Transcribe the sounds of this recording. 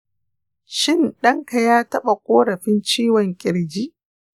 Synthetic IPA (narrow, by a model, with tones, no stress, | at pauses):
ʃɪ˦nɗɐ˦ŋka˨jaː˦tɐ˦ɓa˨kʷʼoː˦ɽɐ˨ɸɪ˦nt͡ʃiː˦wɔ˨ŋkʲʼɪ˨ɽd͡ʒiː˦ʔ